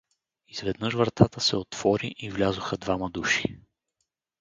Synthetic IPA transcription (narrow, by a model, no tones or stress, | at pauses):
iz̥vɛd̪nɤʃvɾət̪at̪əsɛot̪v̥ɔɾiʔivlʲazʊxəd̪vaməd̪uʃi̥